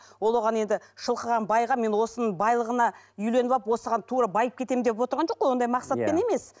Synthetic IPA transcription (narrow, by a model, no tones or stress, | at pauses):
wo̞lˠwo̞ʁɑne̞nd̪ɪʃəlˠqəʁɑnbɑjʁɑme̞nwo̞sənəɴbɑjlˠəʁənɑʏjle̞nβɑpwo̞səʁɑnt̪ʰuɾɑbɑjəp̚kʲʰe̞t̪e̞mɪmnd̪epwo̞t̪əɾʁɑnʒo̞qːojwond̪ɑjmɑqsɑt̪ppe̞ne̞me̞s